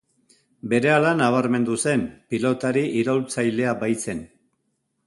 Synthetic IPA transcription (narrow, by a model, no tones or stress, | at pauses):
be̞ɾe̞alanaβ̞aɾme̞nd̪use̞mpilo̞t̪aɾiʔiɾo̞lt͡sajle̞abajt͡se̞n